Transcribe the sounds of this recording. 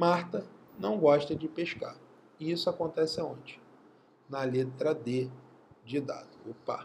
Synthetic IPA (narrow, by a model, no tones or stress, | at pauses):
maɾt̪ɐnɐ̃w̃ɡɔʃt̪ɐd͡ʒɪpeʃka̰ | ɪisʊakõnt̪ɛsɪõt͡ʃɪ̥̃ | nɐlet̪ɾɐd̪ed͡ʒɪd̪a̰d̪ʊʊpa̰